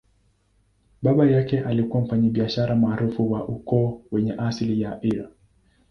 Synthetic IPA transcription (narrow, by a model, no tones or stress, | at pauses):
ɓaɓajakɛʔalikuwam̩faɲaɓiaʃaɾamaːɾufuwaʔukɔːwɛɲɛʔaslijaʔiɾa̰